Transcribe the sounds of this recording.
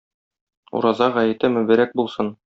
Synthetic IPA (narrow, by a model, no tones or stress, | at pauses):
ṵɾɑzɑʁæjɘ̆t̪ɘmɵ̆bɘ̆ɾæk̚bulˠsɤn